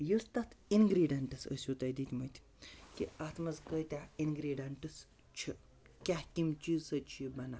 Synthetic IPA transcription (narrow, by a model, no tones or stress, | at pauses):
jɨst̪ɐt̪ʰinɡɾiːɖɐɳʈɨsə̰sʲjut̪ɐjd̪it̪ʲmɐjt̪ʲʰ | kiat̪ʰmɐzkəjt̪ʲainɡɾiːɖɐɳʈɨs | t͡ʃʰi | kʲahkʲimt͡ʃiːzsɐt͡ʃʰibɐna